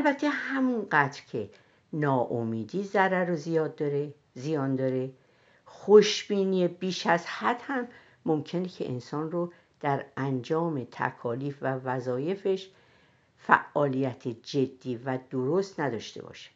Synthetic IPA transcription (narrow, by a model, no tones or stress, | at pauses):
ʔælbæt̪ʰːe̞hæmunɢæt̪ɾcʰe̞ | nɒːʔomiːd̪iːzæɾæɾozijɒːd̪ːɒɾe | zijɒːnd̪ɒːɾe | xoʃb̥iːniebiːʃæzhæd̪̥hæmː | omcʰe̞necʰḛʔḛnsɒːnro | d̪̥æɾænd͡ʒɒːme̞t̪ʰæ̰kʰɒːliːfvævæzɒːje̞fe̞ʃ | fæ̰ʔːɒːlijæt̪ʰed͡ʒe̞d̪ːiːvæd̪oɾost̪næd̪ɒ̰ːʃt̪e̞̰bɒ̰ʃe̥